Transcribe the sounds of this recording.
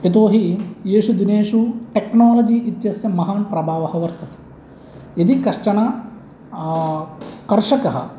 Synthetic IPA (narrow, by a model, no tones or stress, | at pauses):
et̪̬oːɦijeːʂud̪ineːʂuʈeknaːlɐd͡ʒiːʔit̪jɐsjɐmɐɦaːnpɾɐbʱaːʋɐɦɐʋɐɾt̪ɐt̪e̥ | id̪ikɐʂʈɐɳa | kɐɾʂɐkɐɦɐ̰